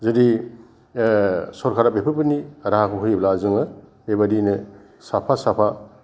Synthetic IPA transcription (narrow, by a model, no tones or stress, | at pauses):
zadi | sɔɾkʰaɾapepʰɯpɯniɾahakʰɯɦujblazɯŋɯbebadinɯ | sapʰasapʰa